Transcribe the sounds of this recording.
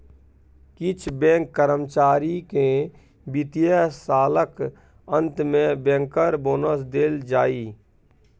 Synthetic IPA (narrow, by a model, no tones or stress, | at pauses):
kɪt͡ʃʰbɛ̃ːŋkːəɾəmt͡ʃaːɾike | bɪt̪ijəsaːlək | ə̃nt̪mẽbɛ̃ːŋkəɾboːnəs̬d̪eːld͡ʒaːiː